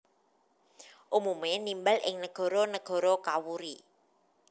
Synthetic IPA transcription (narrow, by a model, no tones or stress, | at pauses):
ʔumumenimbalʔɪ̰ŋnəɡ̥ɔ̤ɾɔnəɡ̥ɔ̤ɾɔkawuɾi